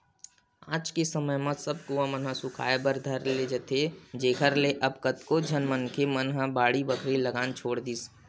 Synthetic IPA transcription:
aːd͡ʒkesəməjmãsəb̚kuãmənɦãsʊkʰa̰ːebəɾd̪ʱəɾled͡ʒət̪ʰed͡ʒeːkʰəɾleʔɐbkət̪kod͡ʒʱənmənkʰemənɦãbaːɽibəkʰɾiləɡaːnt͡ʃʰoːɽd̪iːs

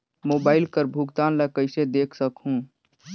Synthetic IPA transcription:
moːbaːɪlkəɾbʱuɡt̪aːnləkəɪsed̪eːkʰsəkɦũ

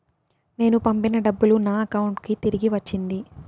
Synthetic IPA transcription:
ne̞ːnupɐmpinɐɖɐbːulunaːɐkɐwuɳʈkit̪iɾiɡiʋɐt͡ʃːind̪i

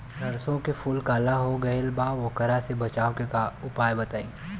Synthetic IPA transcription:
nɐɾsõkefʊlkaːlaɦoɡɐɪlbaːʋokɐɾasebɐt͡ʃaːokeʊpaːjbɐt̪aːĩː

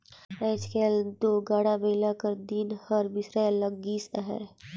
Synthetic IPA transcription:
ɛːt͡ʃkeld̪oːɡaːɽabeːlakəɾd̪inhəɾbɪsɾeləɡɡiːsɦɛ̰ː

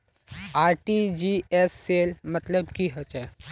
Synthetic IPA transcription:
aːɾʈid͡ʒiɛsːeːlmət̪ləbkiɦət͡ʃɛ

